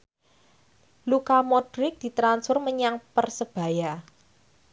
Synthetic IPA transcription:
lukamɔdɾɪk̚d̪̥i̤t̪ɾansfʊrməɲaŋpərsəb̥a̤ja

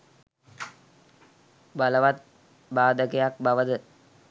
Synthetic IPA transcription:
baləʋat̪̚ | baːd̪əkəjak̚baʋəd̪ə

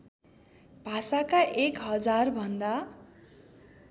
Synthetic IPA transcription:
bʱasakaʔekɦʌd͡zarbʱʌnd̪a

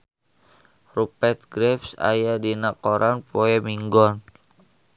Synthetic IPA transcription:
rupɛt̪̚ɡɾɛfsa̰jadinakoɾʔanpoɛmiŋɡɔn

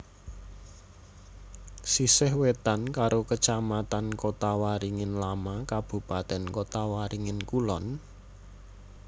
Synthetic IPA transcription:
sisɪhwet̪ankaɾokət͡ʃamat̪ankot̪awaɾiŋɪnlamakab̥ṳpat̪ɛnkot̪awaɾiŋɪnkulɔn

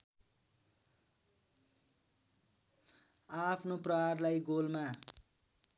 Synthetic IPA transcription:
apʰnoprʌɦarlajɡolma

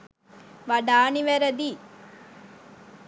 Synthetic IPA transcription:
ʋɐɖaːniʋɐɾɐd̪i

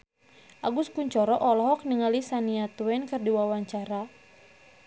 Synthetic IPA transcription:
ʔaɡuskuɲt͡ʃɔɾɔʔɔlɔɦɔk̚niŋalisaniat̪uwɛnkərdiwawaɲt͡ʃaɾa

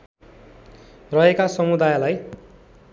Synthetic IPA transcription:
rʌɦekasʌmud̪ajlaj

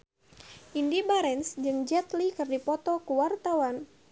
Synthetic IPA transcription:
ʔindibaɾɛnsd͡ʒɨŋd͡ʒɛt̪likɨrdipɔt̪ɔkuwart̪awan

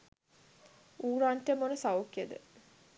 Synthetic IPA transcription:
uːɾaɳʈemonəsaokjed̪ə̰

